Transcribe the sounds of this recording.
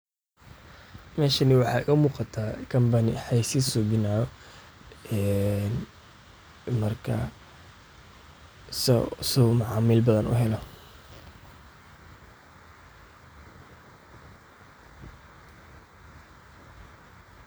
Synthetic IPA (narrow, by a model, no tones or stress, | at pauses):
mɛːʃɐnɪwɑħɑːɪɣɐmuːqɑt̪ʰaːkʰɐmbɐnɪ̰ħɑjsɪsɔbɪnaːɔ | ɛn | mɐrkʰɐ | ssɔmʊʕɑːmɪlbɐðɐnʔʊ̰ɦɛlɐ